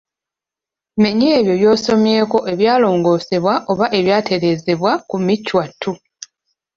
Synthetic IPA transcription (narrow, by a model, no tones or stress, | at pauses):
me̞ɲeːβjo̞βjo̞ːso̞mjeːko̞ʔe̞βjaːlo̞ːŋɡo̞ːse̞βwaʔo̞βaʔe̞βjaːtʰe̞ɾe̞ːzeβwakumicːwatːu